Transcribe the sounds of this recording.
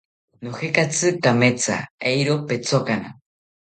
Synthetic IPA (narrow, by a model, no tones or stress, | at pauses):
noxekat͡sɨkamet͡sa̰ejɾopet͡sokana̰